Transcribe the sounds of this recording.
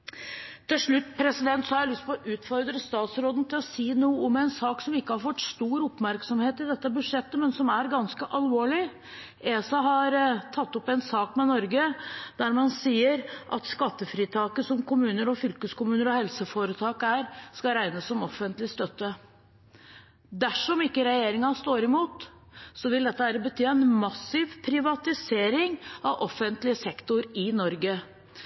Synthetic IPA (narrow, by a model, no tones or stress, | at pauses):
t̪ʰɪlʂɭʉt̪ːpʰɾɛsɪd̪ɛnt̪sɔhɑɾælʏst̪̚pʰɔɔʔʉːt̪fɔɾd̪ɾəst̪ɑːt̪sɾoːd̪n̩t̪ʰɪlɔsiːnuːəɔmɛɪnsɑːksɔmɪkːəhɑɾfɔt̪ːst̪uːɾɔpmæɾksɔmheːt̪ɪd̪ɛt̪ːəbʉʂɛt̪ːəmɛnsɔmæɾɡɑnskəʔɑlʋoːɭɪ | eːsɑɦɑɾt̪ʰɑt̪ːɔpɛnsɑːkmɛnɔɾɡəd̪̥æɾmɑnsiːəɾʔɑ̰t̪skɑt̪ːəfɾiːt̪ʰɑːkəsɔmkʰʊmʉːnəɾɔfʏlkəskʊmʉːnəɾɔhɛlsəfoːɾət̪ʰɑːkæɾskɑɾæɪnəsːɔmɔfənt̪lɪst̪œt̪ːə | d̪æʂɔmɪkːəɾɛjeːɾɪŋɑst̪oːɾɪmuːt̪ | sɔʋɪld̪ɛt̪ːəæːɾəbət̪ʰyːɛnmɑsɪʋpʰɾɪʋɑt̪ɪseːɾɪŋɑʋʔɔfːənt̪lɪəsɛkt̪ʊɾɪnɔɾɡə